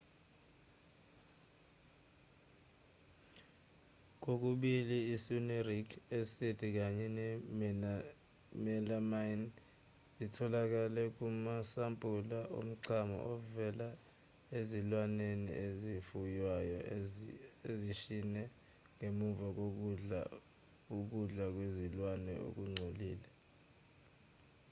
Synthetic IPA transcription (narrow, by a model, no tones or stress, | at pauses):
k̬ok̬uɓiliːsunerikʰesitʰik̬aɲɛnɛ | mɛlamajn | zitʰɔlak̬ʼalɛk̬ʼumasampʼulaʔo̰m̩ǀʰamɔ̰ʔɔvɛla | ezilwanenḭezifujwajɔ | eziʃinɛ | ŋemuvak̬ok̬uɮa̰ | uk̬uɮak̬wezilwanɛ̰ʔo̰k̬uŋ͡ǀʱoliːlɛ